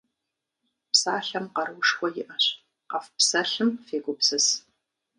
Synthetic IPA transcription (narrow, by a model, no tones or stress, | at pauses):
psaːɬɐmqɐrwʊʂkʷɔjɪʔɐɕʼ | qɐfpsɐɬɨmfeːɡʷʊpsɨs